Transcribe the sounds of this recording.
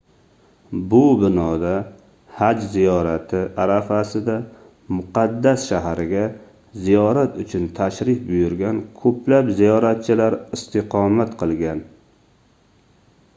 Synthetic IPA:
bʊbɪnɒd̪a | had͡ʒzijɒɾat̪ʰɪʔaɾafasɪd̪a | mʊqɑd̪ːasʃaɦɾɪɡʲa | zijɒɾat̪ʊt͡ʃʰʊnt̪ʰaʃɾɪfbʊjʊɾɡʲankʰɵplapzijɒɾat̪̚t͡ʃʰɪlaɾɪst̪ʰɪqʰɒmat̪qʰɨlˠɡʲan

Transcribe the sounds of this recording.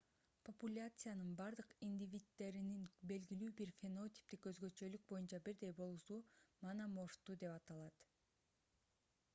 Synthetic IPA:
populʲat̪sɨjanɯnbɑɾd̪ɯqind̪ʲivʲit̪ːe̞ɾininbe̞lɡilyːbiɾfʲeno̞t̪ʲi̥p̚t̪ikø̞zɡø̞t͡ʃø̞lyk̚bo̞junt͡ʃɑbiɾd̪e̞jbo̞lˠusumɑnamo̞ʃt̪ud̪e̞pɑt̪ɑlˠɑt̪

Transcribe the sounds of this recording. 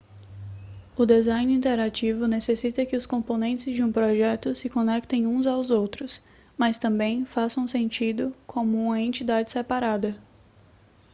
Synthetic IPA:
ʊd̪ezãj̃nĩnt̪eɾat͡ʃivʊnesesit̪ɐkɪʊskõmpõnẽnt͡ʃɪzd͡ʒɪũpɾɔʒɛt̪ʊsɪkõnɛkt̪ẽj̃ũzawzowt̪ɾʊs | mɐst̪ɐ̃mbẽj̃fasɐ̃ũsẽnt͡ʃid̪ʊkʰõmʊũmɐẽnt͡ʃid̪ad͡ʒɪsepaɾad̪ɐ

